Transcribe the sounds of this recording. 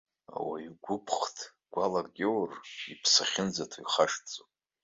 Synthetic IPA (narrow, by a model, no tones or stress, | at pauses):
a̰waiɡʷʊpʰχtʰ | ɡ̥ʷalarɡʲewripʰsaχʲɪnd͡zatʰojχaʂt͡sʼopʼ